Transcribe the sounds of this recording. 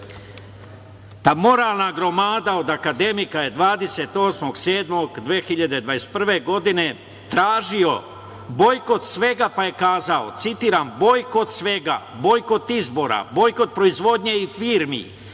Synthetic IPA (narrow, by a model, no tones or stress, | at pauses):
t̪aːmo̞ɾalˠnaɡɾo̞maːd̪ao̞d̪akad̪e̞mikaje̞d̪ʋaːd̪e̞set̪o̞ːsmo̞ɡseːd̪mo̞ɡd̪ʋeːxiʎad̪e̞d̪ʋajest̪̚pr̩ʋe̞ɡo̞d̪ine̞ | t̪ɾaːʒio̞ | bo̞jko̞t̪sʋe̞ɡapaje̞kaːzaot̪sit̪iːɾambo̞jko̞t̪sʋe̞ɡa̰bo̞jko̞t̪izbo̞ɾa̰bo̞jkot̪̚pɾo̞izʋo̞d̪ɲe̞ifiːɾmḭ